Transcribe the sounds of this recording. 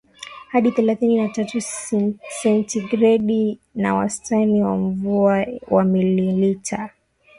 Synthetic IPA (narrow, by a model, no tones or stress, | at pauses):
haɗiθɛlaθininatatu | sɛntiɡɾɛɗinawa̰stʰaniwa̰m̩vuawamililitʰa